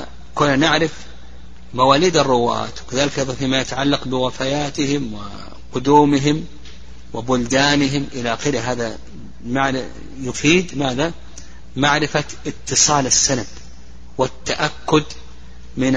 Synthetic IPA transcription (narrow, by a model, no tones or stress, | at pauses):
kʊnːanɪʕɾɪf | mawaːliːd̪ɑrˤːʊwa̰ːt̪wkaðaːlɪkʔɑjðˤɑnfiːmajat̪aʕalːɑqbɪwɪfajaːt̪ɪhɪmwɪ̰ | qʊd̪uːmɪɦɪm | wɪbʊld̪aːnɪɦɪmʔɪlaqɪlɦaːða | maʕ | jʊfiːd̪maːða | maʕɾɪfa | ɪt̪ːɨsˤɑːlasːanab | wɪt̪ːaʔakːʊd̪ | mɪn